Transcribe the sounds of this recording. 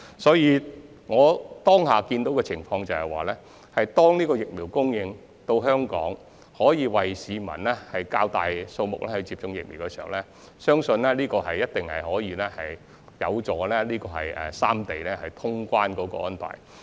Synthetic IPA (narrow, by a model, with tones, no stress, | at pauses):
sɔː˨˥jiː˨˧ | ŋɔː˨˧t̪ɔː˥ŋɦaː˨kiː˧nt̪o˨˥wkɛː˧t͡sʰɪ˨˩ŋfɔː˧ŋt͡sɐ˨whɐ˨jwaː˨˩lɛː˥ | hɐ˨jt̪ɔː˥ŋniː˥kɔː˧jɪ˨k̚miː˨˩wkʊ˥ŋjɪ˧ŋ | t̪o˧wɦœː˥ŋkɔ̰ː˨˥ŋ | hɔː˨˥jiː˨˧wɐ˨jsiː˨˧mɐ̰˨˩nlɛː˥hɐ˨jkaː˧wt̪aː˨jso˧wmʊ˨k̚lɛ˥hɐ˨˥t͡siː˧p̚t͡sʊ˧ŋjɪ̰˨k̚mi˨˩wkɛ˧siː˨hɐ˨˩wlɛː˥ | sœː˥ŋsɵ˧nlɛː˥liː˥kɔː˧hɐ˨jːɐ˥t̚t̪ɪ˨ŋhɐ˨jhɔː˨˥jiː˧lɛː˥hɐ̰˨j | jɐ̰˨˧wt͡sɔː˨˧lɛː˥liː˥kɔː˧ɦɐ̰˨jɛ̰ː˨saː˥mt̪e˨jlɛː˥hɐ˨jt̪ʰʊ˥ŋkʷaː˥nkɔː˨˥kɔ̰˧ʔɔː˥npa̰ː˨˩j